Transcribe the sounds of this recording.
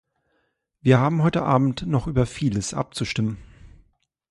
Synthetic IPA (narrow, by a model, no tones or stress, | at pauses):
viːɐhaːbm̩ɦɔʏtəʔaːbm̩tnɔχʔyːbɐfiːləsʔa̰p̚t͡suʃtɪmən